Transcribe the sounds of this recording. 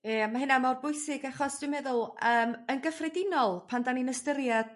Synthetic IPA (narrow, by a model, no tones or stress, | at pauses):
emaɦɪnamawrbʊjsɪɡaχɔsd̥wɪmɛðʊlˠəːmənɡəfrɛdɪnɔlˠpʰandaninəstəɾjad̥